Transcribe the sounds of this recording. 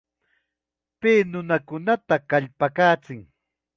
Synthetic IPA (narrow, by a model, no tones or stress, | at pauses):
pɪnʊnakʊnat̪akaʎpakaːt͡sɪŋ